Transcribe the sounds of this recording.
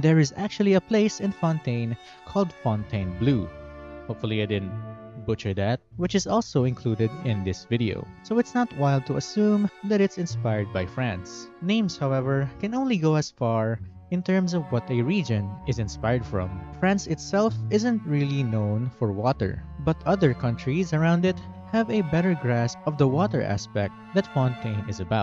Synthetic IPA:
d̪ɛɹɪzæk̚t͡ʃuəlˠiɐpleɪsɪ̃nfɔ̃nt̪ẽɪ̃n | kʰɔlˠd̪fɔ̃nt̪ʰẽɪ̃nbluhoʊpfʊliaɪd̪ɪd̪ⁿnbʊt͡ʃəɹd̪æt̪̚wɪt͡ʃɨzɔlˠsoʊɪ̃nkʰlud̪ɛd̪ɪ̃nd̪ɪsvɪdio̰ʊsoʊɪtsnət̪̚waɪld̚t̪ʰuɐsũmðæɾɪtsɪ̃nspaɪəɹd̪̚bajfɹæ̃nsnẽɪ̃mshawɛvəɹkɛ̃nõʊ̃nliɡoʊəsfɑɹ | ɪ̃nt̪ɛɹmsɔvwʌt̪ɛɹid͡ʒɔ̃nɪzɪ̃nspaɪəɹdfɹɔ̰̃mfɹæ̃nsɪt̪sɛlfɪzɛ̃nt̪ɹilˠinõʊ̃nfɔɹwɔt̪ə̰ɹbʌt̪ʰʌðəɹkʰʌ̃nt̪ʰɹizəɹãʊ̃nd̪ɪt̪̚ | hævɛbɛɾə˞ɡɹæspɔvd̪əwɔt̪ə̰ɹʔæ̰spɛk̚t̪̚ðɐt̪fɔ̃nt̪ʰẽɪ̃nɪzɐbaʊt̪̚

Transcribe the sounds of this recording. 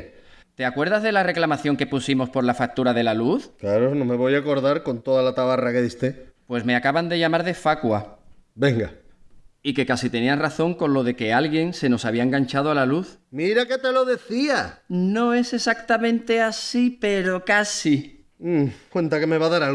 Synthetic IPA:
t̪e̞akwe̞ɾðazðe̞lare̞klamaθjoŋke̞pusimo̞spo̞ɾlafak̚t̪uɾaðe̞laluθklaɾonõmeβo̞jako̞ɾðaɾko̞nt̪o̞ðalat̪aβarakeðist̪epwe̞sme̞akaβand̪e̞ʝamaɾðe̞fakwabe̞ŋɡa | ike̞kasit̪e̞niasraθo̞ŋko̞nlo̞ðe̞ke̞alɣje̞ŋse̞no̞saβiaeŋɡaɲt͡ʃaðoalaluθmiɾake̞t̪eloðe̞θiano̞e̞se̞sakt̪amẽnt̪e̞asipe̞ɾo̞kasi | wẽnt̪akeme̞βaðaɾa

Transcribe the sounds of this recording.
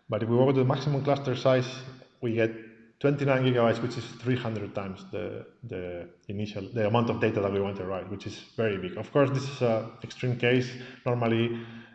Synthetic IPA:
batifwiwokt̪uðəmaksimũmklast̪əɹsajswiɡɛt̪ː | wɛ̃nt̪inãj̃nɡiɣɡabajtswit͡ʃisθɾihãnd̪ɾəd̪̚t̪ãj̃msðə̰d̪əiniʃald̪əamãw̃nt̪ɔvd̪ejt̪aðat̚wiwãnt̪uɹajt̚wit͡ʃizvɛɹibiɡɔfkɔɹsd̪isizaɛkst̪ɾĩmkeɪsnɔɹmali

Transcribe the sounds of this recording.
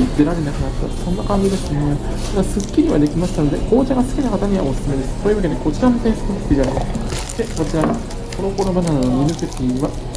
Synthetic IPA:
id̪eɾaɾe̞nakɯ̟nat̪ːa̰sõ̞nːakãɲ̟d͡ʑid̪asɨt̪omoima | ɡasɨkʲːiɲʲiβad̪e̞kʲimaɕi̥t̪ano̞d̪e̞ko̞ːt͡ɕaɡasɨ̥kʲinakat̪aɲ̟iβa̰o̞sɨ̥sɨme̞d̪e̞sɨ̥so̞ːjɯβake̞d̪eko̞t͡ɕiɾamot̪aɲisɨ̥kokt̪ʲiɡa | t̪ekot͡ɕiɾa | konokoɾomanannominɯsek̪ʲiβa

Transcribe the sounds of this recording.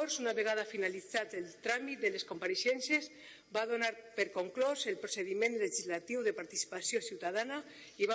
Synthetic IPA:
oɾsunaβeɣ̞að̞afinalit͡sat̪elt̪ɾamit̪̚d̪eleskompaɾesɛnsez | bað̞onaɾpeɾkoŋklozelpɾoseð̞imẽnleʒizlat̪iwðepaɾt̪isi̥pasjosiwt̪að̞ana | iβa

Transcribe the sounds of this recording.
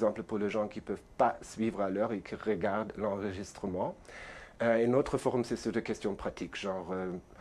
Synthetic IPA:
zɑ̃pləpuʁleʒɑ̃kipœvpasɥiːvʁalœːʁekʰiʁəɡaʁd̪lɑ̃ʁəʒist̪χəmɑ̃ | enot̪χəfɔʁɔmsɛsəd̪əkɛst̪jɔ̃pχat̪ʰikʒ̥ɑ̃ʁø

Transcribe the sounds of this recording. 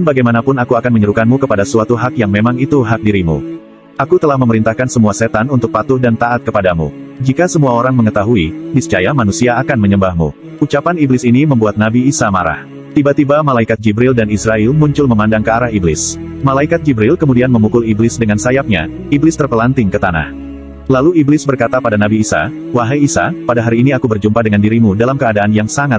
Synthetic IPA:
baɡajmanapʊnakuakanməɲəɾukanmukəpadasuat̪uɦakjaŋmemaŋit̪uɦak̚diɾimṵ | ʔakut̪əlahməməɾint̪ahkansəmuaset̪anunt̪ʊk̚pat̪ʊhdant̪aat̪̚kəpadamṵd͡ʒikasəmuaoɾaŋməŋət̪aɦuibist͡ʃajamanusiaːkanməɲəmbahmṵ | ut͡ʃapaniblɪsiniməmbuat̪̚nabiːsama̰ɾa̰h | t̪ibat̪ibamalaikat̪̚d͡ʒibɾɪldanisɾaɪlmuɲt͡ʃʊlməmandaŋkəaɾahiblɪ̰smalaikat̪̚d͡ʒibɾɪlkəmudianməmukʊliblɪsdəŋansajap̚ɲa̰ | iblɪst̪ərpəlant̪ɪŋkət̪ana̰h | laluiblɪsbərkat̪apadanabiːsa̰ | waɦajisa̰padaɦaɾiːniakubərd͡ʒumpadəŋandiɾimudalamkəadaːnjaŋsaŋat

